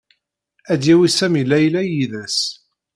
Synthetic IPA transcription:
æd̪jæwisæmilæjlæjiðæs

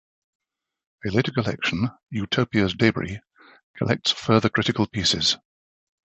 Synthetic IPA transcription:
əleɪtəkəlɛ̰kʃə̃n | jʉtʰəʊpiəzdeɪbə̰ɹḭ | kʰəlʔɛ̰k̚tsfɜːðəkʰɹ̥ɪtɪkəlˠpʰiˑsɪ̰z̥

